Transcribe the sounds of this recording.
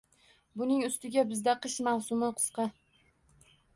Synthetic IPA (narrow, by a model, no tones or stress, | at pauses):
bʊnɪŋʊst̪ɪɡʲabɪzd̪aqʰɨʃmawsʊmɪqʰɨ̥sqɑ